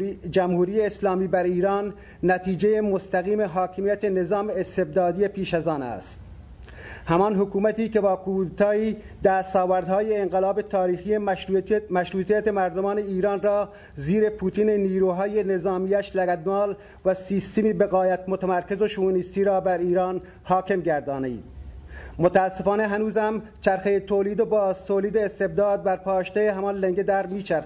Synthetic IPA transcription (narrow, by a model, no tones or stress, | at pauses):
d͡ʒæmhuːɾijeːslɑːmiːbæɾiːɾɑːnː | æt̪iːd͡ʒejemost̪æɣiːme̞ɦɒːkʰemijæt̪enezɑːmeːst̪eb̚d̪ɑːd̪ije̞pʰiːʃæzɑːnæ̰st̪ | hæmɒːnɦokuːmæt̪iːke̞bɒːkʰuːd̪et̪ʰɑːiː | d̪æːst̪ɒːvæɾd̪hɑːjeːŋɡelɑːbet̪ʰɑːɾiːxijemæʃɾuːt̪ʰijæt̪emæɾd̪omɑːne̞iːɾɑːnrɒː | ziːɾe̞pʰuːt̪ʰiːneniːɾuːɦɒːjenezɑːmiːæʃlæɡæd̪mɒːl | væsiːst̪emiːbeɣɒːjæt̪mot̪ʰæmæɾke̞zoʃuunist̪iːɾɒːbæɾiːɾɑːn | hɒːke̞mɡæɾd̪ɑːned̪mot̪ʰæːsːe̞fɑːneɦænuːzhæmt͡ʃʰæɾxejet̪ʰoːliːd̪obɒːzt̪ʰoːliːd̪eːst̪eb̚d̪ɑːd̪̚bæɾpʰɑːʃt̪æjeɦæmɒnleŋɡed̪æɾmiːt͡ʃʰæɾ